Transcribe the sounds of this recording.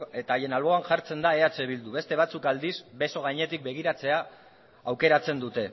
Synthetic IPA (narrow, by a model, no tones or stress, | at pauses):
et̪aːje̞nalβo̞anʝaɾt͡se̞nd̪ae̞at͡se̞βild̪uβe̞st̪e̞β̞at͡sukald̪isbe̞so̞ɣ̞ajɲe̞t̪ik̚be̞ɣ̞iɾat͡se̞aː | wke̞ɾat͡se̞nd̪ut̪e̞